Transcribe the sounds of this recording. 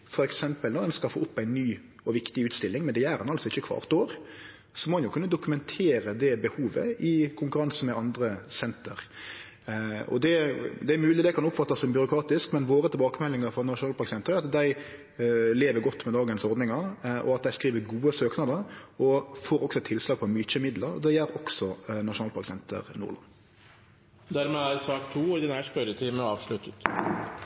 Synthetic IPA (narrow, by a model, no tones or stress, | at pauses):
fɔɾɛksɛmpəlnɔd̪ɛnskɑlfo̰ːʊpːæɪnːyː | ɔʋɪkt̪ɪʉːt̪st̪ɪlːɪŋmɛnd̪ææɾɑ̰nɑlsɔɪçːəkʰʋɑ̰ːʁt̪oːɾ | sɔmɔɛnjʊkʰʉnːəd̪ʊkʉmɛnt̪ʰeːɾəd̪ɛbəhuːʋə̰ɪkʰʊŋkʉɾɑns̩mɛʔɑnd̪ɾəsɛnt̪ə̰ɾ | ɔ̰d̪ɛd̪ɛæmʉːlɪd̪ɛkʰɑnʊpːfɑt̪ːɑsɔmbʏɾʊkʰɾɑːt̪ɪskmɛnʋoːɾət̪ɪlbɑːkəmɛlːɪŋɑɾfɔnɑʃʊnɑːlpɑʁksɛnt̪ɾəɑt̪d̪æɪ | leːʋəɾɡɔt̪ːmɛd̪ɑːɡənsɔɾd̪nɪŋɑʁʔɔ̰ɑt̪̚d̪æɪskʁiːʋəɾɡuːəsøːknɑd̪əɾɔfoːɾɔksɔɛt̪ʰɪlslɑːɡ̚pʰɔmyːt͡ʃəmɪd̪ləɾɔ̰d̪ɛjæɾɔksɔnɑʃʊnɑːlpʰɑɾksɛnt̪ʰə̰ɾnṵʁlɑ̰n | d̪æɾmɛæɾsɑːkt̪ʰːuːɪd̪ɪnæʂpœɾət̪ʰɪːməɑːʋʂɭʉt̪ət̪